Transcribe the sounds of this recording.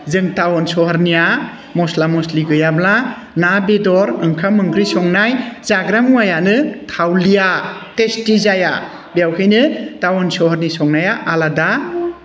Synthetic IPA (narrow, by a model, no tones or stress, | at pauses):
zɯŋtawɔnsɔhaɾnija | mɔslamɔsliɡɯjabla | nabedɔɾɯŋkʰamɯŋɡɾisɔŋnajzaɡɾamuajanɯtʰawlijatestizaja | bjawkʰɯjnɯtawɔnsɔhɔɾnisɔŋnajaʔalada